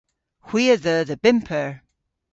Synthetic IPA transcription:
hw̥iəðəðəbɪmpʰəɹ

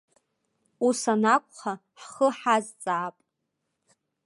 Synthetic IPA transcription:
usanakʷʼχa | ħχəħazt͡sʼaːpʼ

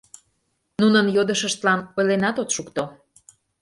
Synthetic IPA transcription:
nunənjod̪əʃəʃt̪lɑnojlenɑt̪ot̪ʃukt̪o

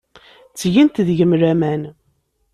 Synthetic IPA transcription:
t͡sːʝint̪ðʝəmɾæmæn

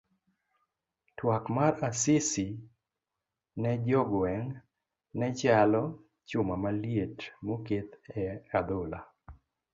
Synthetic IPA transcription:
twakmaɾasɪsi | nɛd͡ʒɔɡwɛŋ | nɛt͡ʃalɔ | t͡ʃʊmamaljetmoket̪ɛad̪ʊla̰

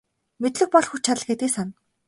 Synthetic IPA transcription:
met̪ɮɘ̆xpɔɮxut͡ɕʰaɮɡet̪eːsan

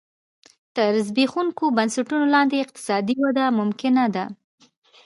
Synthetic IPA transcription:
t̪əɾzbixuŋkobansaʈunolɑnd̪eːq̚t̪ɪ̥sɑd̪iwad̪amʊmkɪnad̪a

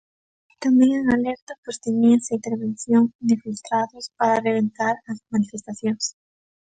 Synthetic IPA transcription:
t̪ambeŋaŋaleɾt̪opost̪enisaint̪eɾβenθjoŋd̪efilt̪ɾaðospaɾareβ̞ent̪aɾazmanifest̪asjoŋs

